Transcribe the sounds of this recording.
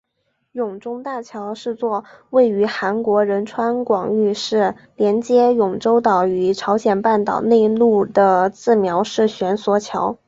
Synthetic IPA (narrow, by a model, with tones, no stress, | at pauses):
jʊ˨˩ŋʈ͡ʂʊ˥ŋt̪a˥˩t͡ɕʰjɑ˧˥ʊʂɻ̩˥˧t͡swɔ˥˧we˥˩ɪy˧˥xa˧˥nkwɔ˧˥ɻə˧˥nʈ͡ʂʰwa˥nkwɑ˨˩ŋy˥˧ʂɻ̩˥˩ | ljɛ˧˥nt͡ɕjɛ˥jʊ˨˩ŋʈ͡ʂo˥ʊt̪ɑ˨˩ʊy˧˥ʈ͡ʂʰɑ˧˥ʊɕjɛ˨˩npa˥˩nt̪ɑ̰˨˩ʊne˥˧ɪlu˥˩d̪ə˩t͡sɹ̩˥˩mjɑ˧˥ʊʂɻ̩˥˩ɕɥɛ˧˥nswɔ˧˥t͡ɕʰjɑ˧˥ʊ